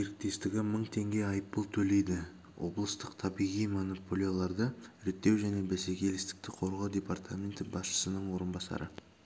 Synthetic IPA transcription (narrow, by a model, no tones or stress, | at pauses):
ʒe̞ɾɪk̚t̪e̞st̪ɪɡʲɪməɴt̪ʰe̞ŋɡʲe̞ɑjəpːəlˠt̪ʰɵle̞jd̪ɪ | wʔo̞̰blˠəst̪əqt̪ʰɑbijʁijmo̞nopʰolʲijolˠɑɾd̪əʏɾet̪ːe̞wʒæne̞bese̞kʲʰe̞lɪst̪ɪ̥k̚t̪ɪqʰo̞ɾʁɑwd̪ʲe̞part̪ʰamʲe̞nt̪ɪbɑsʃə̥sənəɴwo̞ɾənbɑsɑ̰ɾʔə